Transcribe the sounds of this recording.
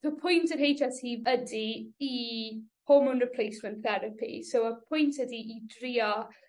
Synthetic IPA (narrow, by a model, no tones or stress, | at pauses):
əpʰʊjntʰənɦejd͡ʒashiːvədiː | hʰomʊnɹɪpʰl̥ˠejsmə̃nθɛɾəpʰḭsowəpʰʊjntʰədiʔidriːɔ